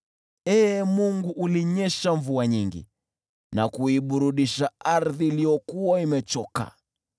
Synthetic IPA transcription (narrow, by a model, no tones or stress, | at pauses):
ɛːmuŋɡuʔuliɲɛʃaɱvuaɲiŋɡḭ | nakuiɓuɾuɗiʃaaɾðiːlijɔkuwaimɛt͡ʃɔka̰